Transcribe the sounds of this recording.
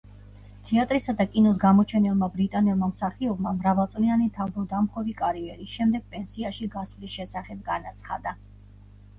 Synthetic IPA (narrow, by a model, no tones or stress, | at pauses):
t̪ʰɛat̪ʼɾisad̪akʼinɔsɡamɔt͡ʃʰɛnɛlˠmabɾit̪ʼanɛlˠmamsaχiɔbmamɾavalˠt̪sʼlianit̪ʰavbɔd̪amχɔvikʼaɾiɛɾiʃɛmd̪ɛɡ̥̚pʼɛnsiaʃiɡasvlisʃɛsaχɛb̚ɡanat̪sʰχa̰d̪a